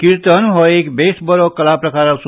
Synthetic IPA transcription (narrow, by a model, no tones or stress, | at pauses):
kiɾt̪ənɦɔekbesbəɾɔkəlapɾəkaɾasu